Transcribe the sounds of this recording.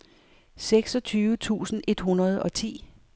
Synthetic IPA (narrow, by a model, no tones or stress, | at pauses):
seɡ̥sɒ̽t͡sʰyːʋət͡sʰṵːsn̩e̝d̥ɦunɐð̞ˠɒ̽t͡sʰḭː